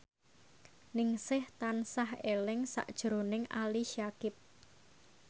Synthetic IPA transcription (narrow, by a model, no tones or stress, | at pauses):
nɪŋsɪht̪ansahelɪŋsa̰ʔd̥ʒ̥əɾonɪŋaliʃiakɪp̚